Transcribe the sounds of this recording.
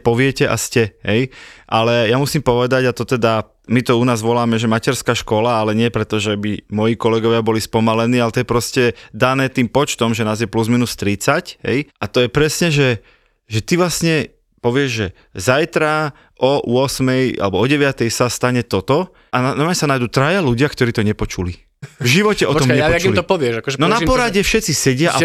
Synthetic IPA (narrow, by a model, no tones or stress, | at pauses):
pɔʋɪɛcɛʔa̰scɛɦɛjʔalɛjamusiːmpɔʋɛd̪aɟat̪ɔt̪ɛd̪a | mit̪ɔunaːzʋɔlaːmɛʒɛmacɛɾskaːʃkɔlaalɛɲɪɛpɾɛt̪ɔʒɛbimɔjiːkɔlɛɡɔʋɪabɔlispɔmalɛniːalɛt̪ɔjɛpɾɔscɛd̪anɛːt̪iːmpɔt͡ʃt̪ɔmʒɛnaːzjɛpluzminust̪ɾit͡sacɦɛ̰jʔat̪ɔjɛpɾɛsɲɛʒɛ | ʒɛt̪iʋlasɲɛ | pɔʋɪɛʒʒɛ | zajt̪ɾa | ʔɔʊ̰ɔsmɛja̰lɛbɔɔɟɛʋɪat̪ɛjsast̪aɲɛt̪ɔt̪ɔ | ananamɛsanajd̪ut̪ɾajaluɟɪakt̪ɔɾiːt̪ɔɲɛpɔt͡ʃuli | vʒiʋɔcɛʔɔt̪ɔmɲɛɔat͡ʃɡilit̪ɔpɔʋɪɛʒakɔʒɛnɔnapɔɾaɟɛfʃɛt͡sisɛɟɪaaʔa